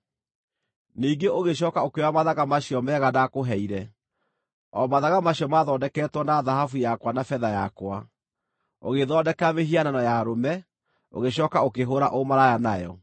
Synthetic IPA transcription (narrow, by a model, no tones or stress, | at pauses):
niːɡeʔoɣeɕ̬ɔːkaokewamaðaɣamaɕiɔmɛːɣanakoɦɛiɾɛ | ɔmaðaɣamaɕiɔmaðɔdɛkɛːtwɔnaðaɦafujakwanafɛðaja̰kwa | o̰ɣeðɔdɛkameɦiananɔjaɾomɛ | o̰ɣeɕɔːkaokeɦoɾaʔomaɾajanajɔ̰